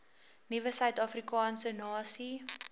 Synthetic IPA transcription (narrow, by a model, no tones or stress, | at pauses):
nivəsœɥtɑfrikɑːnsənɑːsi